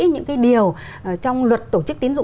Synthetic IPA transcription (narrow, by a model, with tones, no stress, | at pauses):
ɲɨ̰˧˥ŋkaː˨˦jɗi˨˩əw | t͡ɕɔ˧wŋ͡mlwə˨˩t̚t̪o˧˩t͡ɕɨ˦˥k̚t̪i˨˦nzʊ̰˧˨